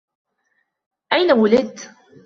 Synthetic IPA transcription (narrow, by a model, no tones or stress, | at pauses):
ʔajnawʊlɪt̪